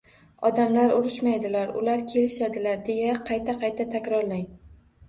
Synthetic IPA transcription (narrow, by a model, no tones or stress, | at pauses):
ɒd̪amlaɾʊɾɪʃmajd̪ɪlaɾʊ̰laɾkʲʰe̞lɪʃad̪ɪlaɾd̪e̞jaqʰɑjt̪ʰaqʰɑjt̪ʰat̪ʰakʲɾɒɾlaŋ